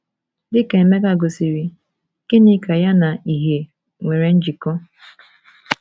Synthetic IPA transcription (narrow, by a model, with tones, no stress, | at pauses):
dɪ˦ke˨e˨me˦ka˦ɡo˨si˨ɾi˨ | ke˦ni˦ka˨ja˦na˨i˨ɦe˨ | ŋʷe˨ɾe˨n̩˦d͡ʒi˨kɔ˦